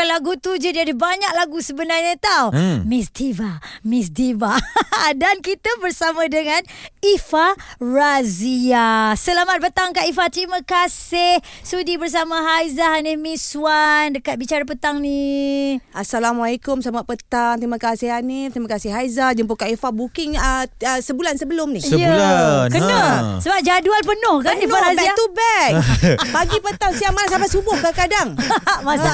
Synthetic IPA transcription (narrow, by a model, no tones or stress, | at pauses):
kalaɡut̪ud͡ʒudiadəbaɲak̚laɡusəbənarɲət̪awmisdivamisdibadankit̪əbərsamə̃dəŋãnifaraziasəlamat̪̚pət̪aŋkaʔifat̪əɾimə̃kasɪhsudibərs̬aməɦajzaɦanɪhmĩsuandəkat̪̚bit͡ʃaɾapət̪aŋni | ʔasalamualikʊmsamat̪̚pət̪aŋt̪ɾiməkasɪhanɪt̪ɾimakasɪhajzahd͡ʒəmpʊkaifahbukɪŋəəsəbulansəbəlʊmnĩjəkənəsəbap̚d͡ʒaduanpənʊhkandiaazɛiat̪ubɛkpaɡipət̪aŋsiamanasapasubʊhkakadaŋmasa